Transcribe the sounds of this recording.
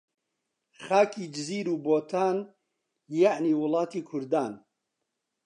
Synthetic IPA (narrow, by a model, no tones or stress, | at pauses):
xaːkʰiːd͡ʒɨziːɾuːboːt̪ʰaːn | jaʕniːwʊlɑːt̪iːkʰʊɾd̪aːn